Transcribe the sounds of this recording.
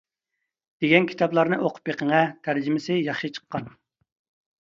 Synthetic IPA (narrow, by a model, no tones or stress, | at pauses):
d̪̥eɡʲɛnkʲʰi̥t̪ʰɑblˠɑɾnɨʔoqʰʊ̥pjeqʰəŋɛt̪ʰæɾd͡ʒɪmɪsɪjɑχʃɨt͡ʃʰə̥qʰːɑn